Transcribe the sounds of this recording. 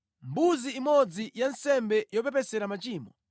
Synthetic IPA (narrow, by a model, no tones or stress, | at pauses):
mbuziːmɔd͡zijansɛmbɛjɔp̬ɛpɛsɛɾamat͡ʃiːmɔ